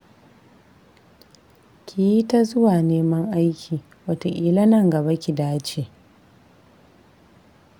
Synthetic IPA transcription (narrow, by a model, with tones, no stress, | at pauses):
kʲʰi˨ji˦ta˦zʊ˦waː˨neː˦mɐ˦ŋʔa˦jkʲʰiː˨ | wɐ˦to˨ʔiː˨lɐ˦nɐ˨ŋɡɐ˨ba˦kʲi˨daː˦t͡ʃe˨